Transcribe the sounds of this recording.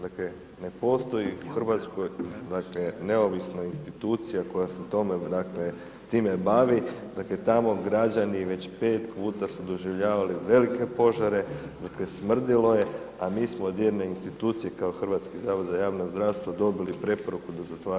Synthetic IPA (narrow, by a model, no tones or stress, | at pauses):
d̪akle | ne̞po̞ːst̪o̞jiuxrʋat̪sko̞jd̪aklene̞o̞ʋisnainst̪it̪uːt̪sijako̞jaset̪o̞me̞d̪akle̞ | t̪iːme̞baʋid̪akle̞t̪amo̞ɡɾad͡ʑaniʋe̞t͡ɕpe̞ːt̪puːt̪asud̪o̞ʒiʋʎaːʋaliʋe̞like̞po̞ʒaɾe̞d̪akle̞smr̩d̪ilo̞je̞ | amiːsmod̪jeɾneinst̪it̪uːt̪sije̞kaoxr̩ʋat̪skizaːʋod̪zajaːʋnozd̪ɾaʋst̪ʋad̪o̞bilipɾe̞po̞ɾukud̪azat̪aː